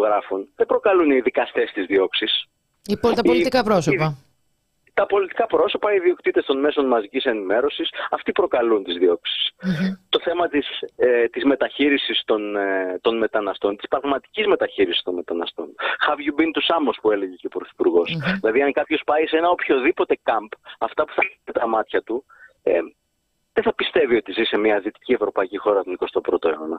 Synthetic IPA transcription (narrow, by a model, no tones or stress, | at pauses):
oɣɾɐfunðebɾo̞kɐluniðikɐst̪e̞st̪izðio̞ksis | ipot̪ɐpolit̪ikɐpɾo̞sopɐ | t̪ɐpo̞lit̪i̥kɐpɾo̞so̞pɐiðio̞kt̪it̪e̞st̪o̞nme̞so̞nmɐzicise̞nime̞ɾo̞sisɐft̪ipɾo̞kɐlunt̪izðio̞ksi̥st̪o̞θe̞mɐt̪ist̪izme̞t̪ɐçiɾisist̪o̞nt̪o̞nme̞t̪ɐnɐst̪o̞nt̪i̥spɾɐɣmɐt̪i̥cizme̞t̪ɐçiɾisi̥st̪o̞nme̞t̪ɐnɐst̪o̞nxɐvʝubint̪usɐmospue̞le̞ʝeceopɾoθi̥puɾɣo̞sðilɐðiɐŋkɐpço̞spɐise̞nɐopço̞ðipo̞t̪e̞kɐmpɐft̪ɐpu̥θɐnet̪ɐmɐt̪çɐt̪u | e | ðeθɐpist̪e̞vio̞t̪izisemɲɐðit̪i̥cie̞vɾo̞pɐicixo̞ɾɐt̪oniko̞st̪o̞pɾo̞t̪o̞e̞o̞nɐ